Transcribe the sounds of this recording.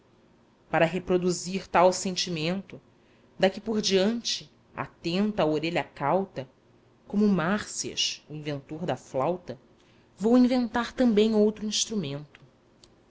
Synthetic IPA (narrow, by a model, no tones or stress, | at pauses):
paɾɐɦepɾod̪uziɾt̪awsẽnt͡ʃimẽnt̪ʊ | d̪ɐkɪpoɾd͡ʒiɐ̃nt͡ʃɪ | a̰t̪ẽnt̪ɐaːoɾeʎɐkawt̪ɐ | kõmʊmaɾsiɐ̰ʃuĩvẽnt̪oɾd̪ɐflawt̪ɐ | vowĩvẽnt̪aɾt̪ɐ̃mbẽj̃owt̪ɾuĩʃt̪ɾumẽnt̪ʊ̥